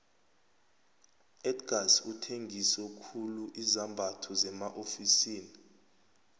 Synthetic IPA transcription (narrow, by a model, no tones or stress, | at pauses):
ɛdɡ̥ʱasutʰeŋʱisɛkʰuluʔizambʱatʰɔzɛmaʔofisiːni